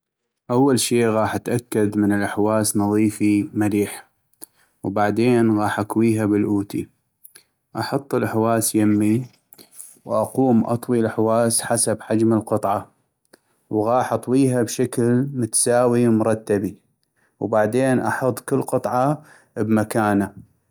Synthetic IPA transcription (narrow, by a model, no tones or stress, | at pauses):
ʔawːalʃiːɣɑːħʔat̪ʔakːad̪mənɪlʔaħwaːsnɑðˤiːfimaliːħ | wbaʕd̪eːnɣɑːħʔakwiːɦabɪlʔuːt̪ḭ | ʔɑħɑt̪ˤːəlʔaħwaːsjamːi | wʔɑquːmʔɑ̰t̪ˤwilaħwaːsħasabħad͡ʒməlqɨt̪ˤʕɑ | wɣɑːħʔɑt̪ˤwiːɦabʃaklmʊt̪ḁsaːwimʊɾˤɑt̪ːabi | wbaʕd̪eːnʔɑħʊt̪ˤːkɪlːqɨt̪ˤʕɑ | bmakaːna